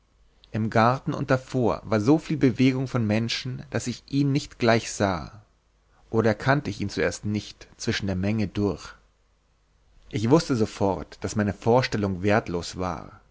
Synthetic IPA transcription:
ʔɪmɡaɐtn̩ʊ̰nt̚d̥afoːɐvaːɐzoːfiːlbəveːɡʊŋfɔnmɛnʃn̩d̥asɪçʔiːnːɪçtɡ̥laɪçz̥a̰ː | ʔoːɾɐɛɐkʰantəɪçiːnt͡suʔeːɐstnɪçtt͡sv̥ɪʃn̩deːɐmɛŋədʊɐç | ʔɪçv̥ʊstəzofɔɐtd̥asmaɪnəfoːɐʃtɛlʊŋveːɐtʰloːsv̥a̰ːɐ

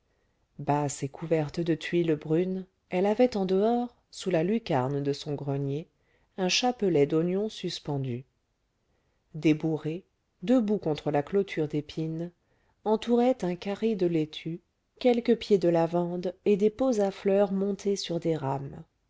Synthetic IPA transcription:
basekʰuvɛʁt̪d̪ət̪ɥiləbʁyn | ɛlavɛt̪ɑ̃d̪əɔʁ | sulalykʲaʁnd̪əsɔ̃ɡʁənje | ɛ̃ʃapəlɛd̪onjɔ̃syspɑ̃d̪y | d̪ebuʁe | d̪əbukɔ̃t̪χəlaklot̪ʰyʁd̪epʰin | ɑ̃t̪uʁɛt̪ɛ̃kaʁed̪əlet̪ʰy | kʲɛlkəpjed̪əlavɑ̃d̪ed̪epozaflœʁmɔ̃t̪ʰesyʁd̪eʁam

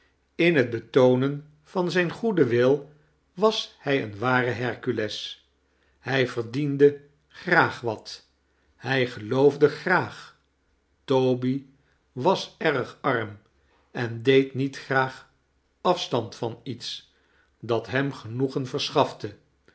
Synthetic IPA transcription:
ɪnɦəd̚bətownən | v̥ɑnzɛjnχudəʋɪlˠ | ʋɑshɛjə̰nʋaːrəɦɛɹkylɛs | hɛjvəɹdində | χraːχʋɑt | hɛjχəlowvdəχraːχ | towbi | ʋɑsɛrəχɑɹm | ɛndejtnitχraːχ | ɑfstɑntfɑnits | dɑtɦɛmχənuχənvəɹsχɑftə

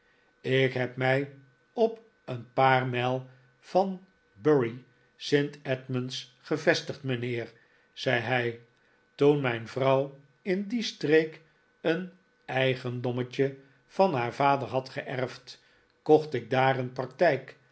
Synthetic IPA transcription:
ɪkɦɛpmɛj | ɔp | ənpaːrmɛlˠ | v̥ɑn | bøɹi | sɪntɛtmənsχəvɛstəχtmənɪːr | z̥ɛjɦɛj | tunmɛjnvrʌw | ɪndistrejk | ən | ɛjχəndɔmət͡ʃə | v̥ɑnɦaːɹv̥aːdəɹɦɑtχəʔɛɹft | kɔχtɪɡ̚daːɾənprɑk̚tɛjk

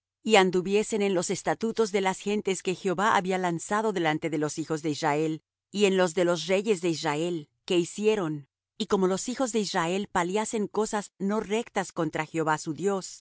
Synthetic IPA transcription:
iand̪uβje̞se̞ne̞nlo̞se̞st̪at̪ut̪o̞zðe̞lasxe̞nt̪e̞ske̞xjoβaaβialansað̞o̞ðe̞lant̪e̞ðelo̞sixo̞zðe̞israe̞l | ienlo̞zðe̞lo̞s̬re̞ʝe̞zðe̞israe̞l | ke̞isje̞ɾo̞n | iko̞mo̞lo̞sixo̞zðe̞israelpaljase̞ŋko̞sazno̞re̞kt̪asko̞nt̪ɾaxjeo̞βasuðjo̞s

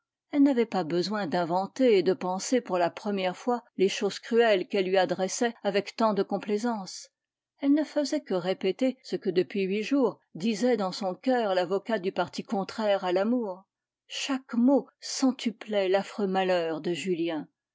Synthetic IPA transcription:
ɛlnavɛpabəzwɛ̃d̪ɛ̃vɑ̃t̪eːd̪əpɑ̃sepuʁlapχəmjɛʁfwaleʃoz̥kχyɛlkɛlːɥiad̪ʁɛsɛavɛkt̪ɑ̃d̪əkɔ̃plezɑ̃ːs | ɛlnəfəzɛkəʁepet̪esəkəd̪əpɥiɥiʒuːʁ | d̪izɛd̪ɑ̃sɔ̃kœːʁlavɔkad̪ypaʁt̪ikɔ̃t̪χɛʁalamuːʁ | ʃakmosɑ̃t̪yplɛlafχømalœːʁd̪əʒyljɛ̃

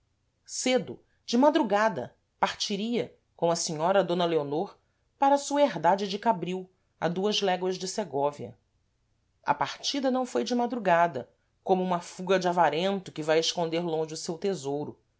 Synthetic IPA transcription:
sed̪ʊ | d͡ʒɪmad̪ɾuɡad̪ɐ̰ | paɾt͡ʃiɾiɐ | kõw̃ɐsiɲɔɾɐd̪õnɐleonoɾ | paɾɐsuɐeɦd̪ad͡ʒɪd͡ʒɪkabɾiw | a̰d̪uɐzlɛɡwɐʒd͡ʒɪseɡɔviɐ̰ | ɐ̰paɾt͡ʃid̪ɐnɐ̃w̃fojd͡ʒɪmad̪ɾuɡad̪ɐ̰ | kõmʊũmɐfuɡɐd͡ʒɪavaɾẽnt̪ʊkɪvajeʃkõnd̪eɾlõʒɪʊsewt̪ezowɾʊ

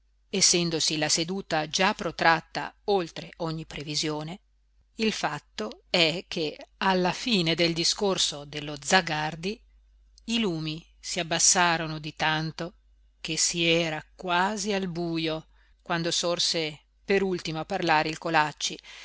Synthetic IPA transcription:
esːɛnd̪osilased̪uːt̪ad͡ʒapːɾot̪ɾat̪ːa̰olt̪ɾeʔɔɲːipːɾevizjoːne | ilfat̪ːoɛkʰːealːafiːned̪eld̪iskorsod̪elːod̪zaɡard̪iː | luːmi | siabːasːaːɾonod̪it̪ant̪o | k̟esiɛːɾakwaːzialbuːjo | kwand̪osorse | peɾult̪imoapːarlaːɾeilkolat͡ʃːi

